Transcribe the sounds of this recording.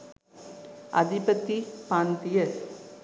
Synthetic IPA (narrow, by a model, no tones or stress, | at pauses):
ɐ̰d̪ʱipɐt̪ːipaːnt̪ijɐ